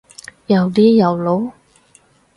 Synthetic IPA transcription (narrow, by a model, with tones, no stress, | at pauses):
jɐ˨˩wt̪iː˥jɐ˨˩wlo˨˥w